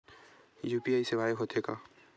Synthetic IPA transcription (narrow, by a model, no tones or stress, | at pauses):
jupiaːjsebʱajeɦot̪ʰeka